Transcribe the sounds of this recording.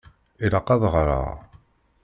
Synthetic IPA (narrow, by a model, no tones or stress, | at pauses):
iɾɑqɑðˤʁɾa̰ʁ